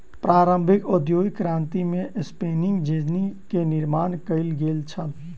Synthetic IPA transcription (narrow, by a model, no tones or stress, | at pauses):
pɾaɾəmbʱikod̪joɡkɾant̪imeʔspenɪŋɡd͡ʒed͡ʒnikeniɾmankəɪlɡelt͡ʃʰəl